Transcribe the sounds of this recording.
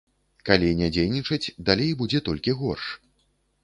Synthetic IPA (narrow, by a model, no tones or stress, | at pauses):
kalʲinʲad͡zʲejnʲit͡ʂɐt͡sʲd̪alʲejbud͡zʲɛt̪ɔlʲkʲiɣɔrʂ